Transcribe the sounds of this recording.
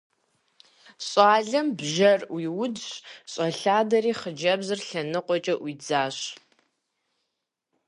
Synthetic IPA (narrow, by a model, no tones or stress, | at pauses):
ɕʼaːɮɐmbʒɐrwiːwʊdɕɕʼɐɬaːdɐɾiːχəd͡ʒɐbzɨrɬɐnɨqʷʼɔt͡ʃʼɐʔwiːd͡zaːɕ